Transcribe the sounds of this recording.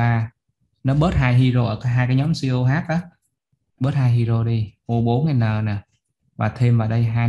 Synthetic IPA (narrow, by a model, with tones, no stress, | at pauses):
aː˨˩ | nɔ˨˦ɓəː˦˥t̚haː˧jɦi˧ɾo˧ʔəː˧˩kaː˨˦jɦaː˧jkaː˨˦jɲɔ˨˦msi˧o˧ɦaː˦˥k̚ʔaː˨˦ | ɓə˦˥t̚haː˧jɦi˧ɾo˧ɗi˧ʔo˧ɓo˨˦nŋaː˨˩jnəː˨˩naː˨˩ | vaː˨˩t̪ʰe˧mvaː˨˩ɗə˧jɦaː˧